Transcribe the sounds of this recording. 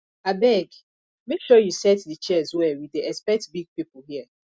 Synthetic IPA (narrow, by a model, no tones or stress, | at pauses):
abɛɡ | mekʃɔjusɛtdɨt͡ʃɛzwɛwideɛspɛk̚tbiɡ̚pipuhiə